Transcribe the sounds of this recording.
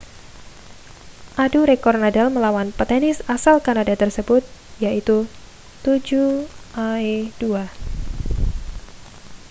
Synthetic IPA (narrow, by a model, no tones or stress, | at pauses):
ʔaduɾekɔrnadalməlawanpət̪ɛnɪsasalkanadat̪ərsəbʊt̪̚jait̪u | t̪ud͡ʒuʔaedua